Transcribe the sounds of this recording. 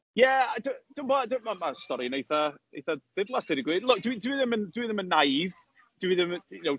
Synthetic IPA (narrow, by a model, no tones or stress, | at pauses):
jɛadəd̥əmbɔːdəmamastɔɾinejθaejθad̥ɪvlˠasd̥ɪɾiɡwiːdlʊk̚d̥widəwiðɪməndwiðɪmənːajv | d̥əwiðɪmjaw